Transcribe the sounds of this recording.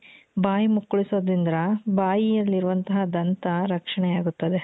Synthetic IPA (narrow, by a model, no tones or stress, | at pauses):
baːjimukːuɭisoːd̪ɾind̪ɾɐbaːjijɐlːiɾuʋɐnt̪ɐɦɐd̪ɐnt̪ɐɾɐkʂɐɳɛjaːɡut̪ːɐd̪e